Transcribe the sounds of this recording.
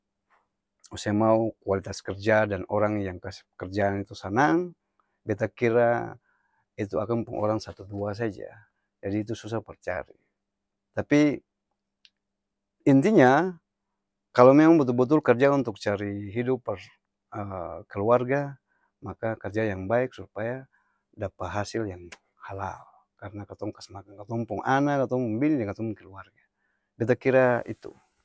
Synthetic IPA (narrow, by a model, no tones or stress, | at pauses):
usɛmaukualit̪askɛrd͡ʒadanɔɾaŋjaŋkaskərd͡ʒaːnit̪usanaŋ | bɛt̪akiɾa | it̪uakanpuŋʔɔ̰ɾaŋsat̪uduas̬ad͡ʒa̰ | d͡ʒadiːt̪̬usus̬ahpərt͡ʃa̰ɾḭ | t̪api | int̪iɲa | kalɔmɛmaŋbut̪̬ulbut̪̬ulkard͡ʒaunt̪uk̚t͡ʃaɾiɦidupːɛr | əkɛluarɡa | makakard͡ʒajaŋbaik̚supaja | dapaɦasiljaŋ | hala̰l | karnakat̪ɔŋkasmakankat̪ɔmpɔŋʔanadat̪ɔŋpɔmbinidɛŋkat̪ɔmpɔŋkɛluarɡa | bit̪̬akiɾaḭt̪ṵ